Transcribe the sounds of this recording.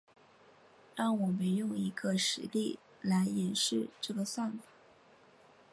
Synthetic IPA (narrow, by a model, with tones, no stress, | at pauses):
t̪ɑ˥˩ŋwɔ˨˩me˧˥ɪjʊ˥˩ŋi˧˥ɡə˧ʂɻ̩˧˥li˥˩ | la˧˥ɪjɛ˨˩nʂɻ̩˥˧ʈ͡ʂɤ˥˩ɡə˩swa˥˩nfa˨˩˦